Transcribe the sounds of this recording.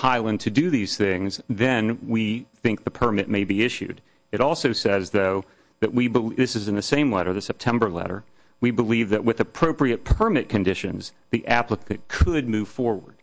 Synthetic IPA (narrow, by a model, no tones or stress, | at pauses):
haɪlˠə̃ntʰɨdɨðiz̥θɪ̃ŋzðɨ̃nwiθɪ̃ŋk̚ðɨpʰə˞mɪʔ̚meɪbiɪʃʉ̰d | ɨɾɔlˠsoʊsɛzðoʊ | ðɨʔ̚wibəlðɪsɨzɨ̃nðɨsẽɪ̃mlɛɾə˞ðɨsɛp̚tʰɛ̃mbə˞lɛ̰ɾə̰˞ | wibəlivðɨʔ̚wɨðɨpʰɹ̥oʊpɹiɨt̚pʰə˞mɪt̚kʰɨ̃ndɪʃɨ̰̃nz | ðiʔæpləkʰɨt̚kʰəd̚mʉv̥fɔɹwə̰˞d̥